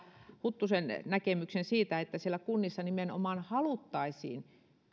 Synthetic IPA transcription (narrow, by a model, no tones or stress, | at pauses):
hut̪ːusennækemyksensiːt̪æet̪ːæsielækunːisːɑnimeno̰mɑnhɑlut̪ːɑisḭːn